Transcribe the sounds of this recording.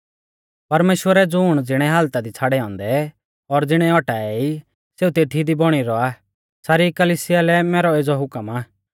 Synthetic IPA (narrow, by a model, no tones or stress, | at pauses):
pɐɾmeːʃwəɾɛd͡zʊːɽ̃d͡zɪɽ̃ɛɦaːlt̪ad̪it͡sʰaːɽɛɔ̃ːnd̪ɛ | ɔɾd͡zɪɽ̃ɛɔʈaːɛi | seːut̪eːt̪ʰid̪ibɔɽ̃iɾɔa | saːɾikɐliːsɪjalɛmɛːɾɔeːd͡zɔɦʊkəmaː